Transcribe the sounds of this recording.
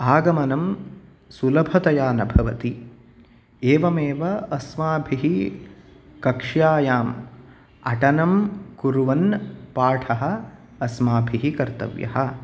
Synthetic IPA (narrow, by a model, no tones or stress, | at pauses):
aːɡɐmɐnɐm | sulɐbʱɐt̪ɐjaːnɐbʱɐʋɐt̪i | eːʋɐmeːʋɐɐsmaːbʱiɦi | kɐkʂjaːjaːm | ɐ̰ʈɐnɐmkuɾuʋɐnpaːʈʰɐɦɐ̆ː | smaːbʱiɦikɐɾt̪ɐ̰ʋjɐ̰ɦɐ̆